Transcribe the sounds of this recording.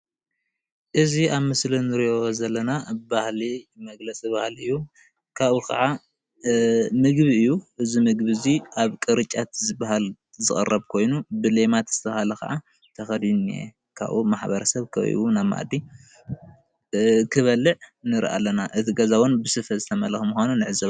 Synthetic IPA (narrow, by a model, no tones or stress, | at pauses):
ʔɨziaβmɨslinɨɾijozɐlːɐnabahlimɐɡlɐt͡sʼibahlɨjːu | kʰaβukʰɐ̰ʕa | mɨɡβiɨjːuɨzimɨɡbɨziʔaβkʼɨɾɨt͡ʃʼat̪zɨbaɦal | zɨχʼɨ̰rɐβkʰo̞jnubɨle̞mat̪z̥ɨt̪ʰɐβahalɐkʰɐ̰ʕa | t̪ʰɐxɐd̪inḛ | kʰa̰βʔṵmaħbɐɾɐsɐβkʰɐ̰βɨ̰wunaβma̰ʔd̪i | kʰɨβɐlɨʕnɨɾ̰ʔa̰lːɐnaʔɨt̪ʰiɡɐzawɔnbɨsɨfɐzɨt̪ʰɐmɐlxmuxʷanunɨʕɨzɐβ